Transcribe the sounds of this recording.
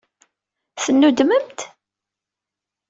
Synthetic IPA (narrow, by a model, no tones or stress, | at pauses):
θənːud̪məmt̪